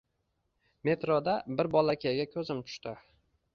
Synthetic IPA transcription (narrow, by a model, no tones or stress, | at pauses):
me̞t̪ɾod̪abɪɾbɒlˠakʲʰejaɡʲakʲʰɵzɪmt͡ʃ̪ʰʊ̥ʃt̪ɪ